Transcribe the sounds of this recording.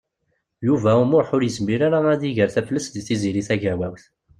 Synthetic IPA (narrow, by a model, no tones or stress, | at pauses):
juvæumʊɾħʊɾjəzmiɾaɾaæðiʝəɾθæflːəsd̪θiziɾiθæʝæwæwθ